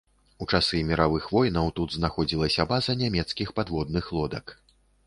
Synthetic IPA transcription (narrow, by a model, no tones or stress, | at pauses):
ut͡ʂasɨmʲiɾavɨxvɔjnɐwt̪ud̪znaxɔd͡zʲilˠɐsʲɐbazɐnʲamʲɛt̪skʲixpad̪vɔd̪̚nɨxlˠɔd̪ɐk